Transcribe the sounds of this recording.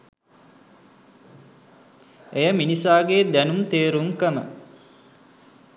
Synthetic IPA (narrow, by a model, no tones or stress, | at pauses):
ejəminisaːɡeːd̪ænumt̪eːɾuŋkəmə̰